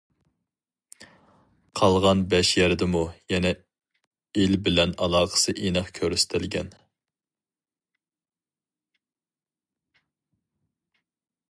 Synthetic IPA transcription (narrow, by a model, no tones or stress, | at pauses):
qʰɑlˠʁɑnbɛʃjæɾd̪ɪmujɛnɛ | elbɪlɛnɑlˠɑːqə̥sɨʔenɨχkʲʰøɾyst̪ʰɪlɡʲɛ̰n